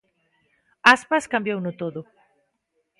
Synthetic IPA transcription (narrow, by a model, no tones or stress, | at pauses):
aspaskambjownʊt̪oðo